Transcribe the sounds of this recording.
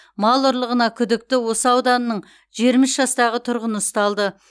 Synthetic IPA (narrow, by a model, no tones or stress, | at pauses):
mɑlˠʊɾlˠəʁənɑkʲʰʏd̪ɪk̚t̪ɪwo̞səɑwd̪ɑnəːəɴ | ʒijɾmɪsʒɑst̪ɑʁət̪ʰʊɾʁənəəst̪ɑlˠd̪ə